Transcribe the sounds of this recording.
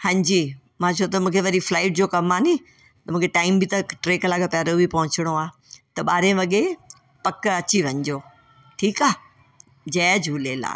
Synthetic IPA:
hɐ̃ɲd͡ʑi | mãːt͡ɕʰoːt̪ɐmũːkʰeʋɐɾiflaːɪʈ̚d͡ʑoːkɐmaːnĩː | t̪ɐmũːkʰeʈaːɪmbʱɪt̪ɐʈɾeːkɐlaːɡapjaːɾobʱipɐɦʊ̃t͡ɕɪɽ̃oaː | t̪ɐɓaːɾẽʋɐɠe | pɐkɐt͡ɕiʋɐ̃ɲd͡ʑoː | ʈʰiːkaː | d͡ʑɛːd͡ʑʱuːleːla̰ː

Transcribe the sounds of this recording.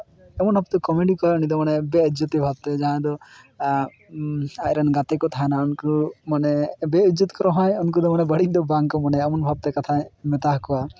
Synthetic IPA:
ɛmɔnɦap̚t̪ɔkɔmeɖikɔɾɔnid̪ɔmanɛbɛud͡ʒɔt̪ibʱab̚t̪ɛd͡ʒaɦãd̪ɔ | aɾɛnɡat̪ɛkɔt̪ʰanaɔnkumanɛbɛud͡ʒɔt̪kɔɾɔɦɔjɔnkud̪ɔmanɛbəɽid̪ɔbaŋkɔmɔnɛamɔnbʱab̚t̪ɛkat̪ʰamɛt̪aɦkɔwa

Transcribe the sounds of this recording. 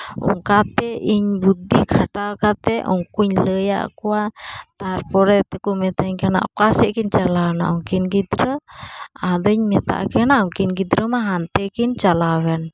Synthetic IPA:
ṵŋkat̪ɛʔiɲbud̪ikʰaʈawkat̪ɛʔɔ̰ŋkuɲləja̰ʔkuat̪aɾpɔɾɛt̪ɛkumɛt̪aiɲkɛna̰ʔkuasɛʔkint͡ʃalana̰uŋkinɡid̪ɾə | adəɲmɛt̪a̰ʔkɛnaʔuŋkinɡid̪ɾəmaɦant̪ɛkint͡ʃalawɛn

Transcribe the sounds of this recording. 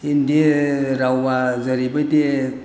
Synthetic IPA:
indieɾawːazəɾibəjte

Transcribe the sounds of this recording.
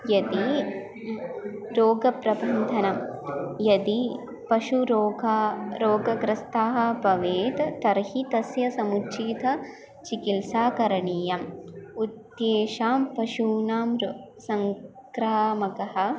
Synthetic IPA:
jɐd̪i | ɾoːɡɐpɾɐbʱɐnd̪ʱɐnɐmjɐd̪i | pɐʃuɾoːɡɾoːɡɐɡɾɐst̪ʰaːɦɐ̆pɐʋeːt̪t̪ɐɾhit̪ɐsjɐsɐmutːʃiːt̪ɐ | t͡ʃikilsaːkɐɾɐɳiːjɐmud̪jeːʃaːmpɐʃuːnaːmɾsɐŋkɾaːmɐkɐɦɐ̆

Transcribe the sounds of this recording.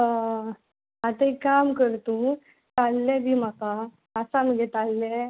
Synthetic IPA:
ə | at̪əikamkəɾt̪ũ | t̪alːɛ̃bʱim̤aka | əsaməɡɛt̪alːɛ

